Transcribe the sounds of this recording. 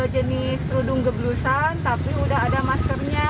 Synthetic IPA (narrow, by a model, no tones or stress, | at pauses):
əd͡ʒənɪst̪ɾudʊŋɡəblusant̪apiudaɦadamaskərɲa